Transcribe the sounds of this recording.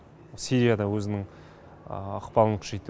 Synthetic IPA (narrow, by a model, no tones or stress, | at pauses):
siɾijad̪ɑwɵzɪnɪŋ | ɑqpɑlˠəɴkʰʏ̥ʒet̪ː